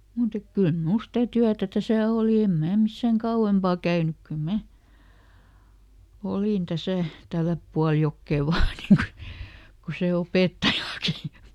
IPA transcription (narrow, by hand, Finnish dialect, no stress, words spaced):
muˑt ek kyl mul stæ tyætæ tæsæˑ oˑli em mæː misːæŋ kɑuw̆empɑˑ kæynyk kyl mæ olin tæsæˑ tælːæp puɑl jokːeˑ ʋɑː niː ku ku se opeˑtːɑjɑki